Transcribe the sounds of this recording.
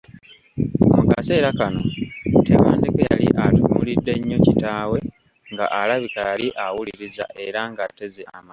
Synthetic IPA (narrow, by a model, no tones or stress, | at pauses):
mukase̞ːɾakano̞tewaːndekeja̰lḭʔatumulidːe̞ɲːo̞citaːwe̞ | ŋɡaʔalaβikajaliʔawuliɾiza̰ʔe̞ɾaŋɡatːe̞zeʔama